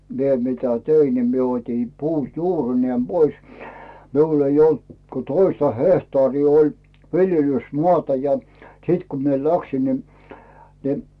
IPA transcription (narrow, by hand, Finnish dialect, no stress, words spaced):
mie mitæ tein ni mie otʲin puː juːrineːm b̥ois miul ei olt ko toistɑ hehtɑːriː olʲ ʋiljelysmoɑˑtɑ jɑ siːt ku mie læksin ni ni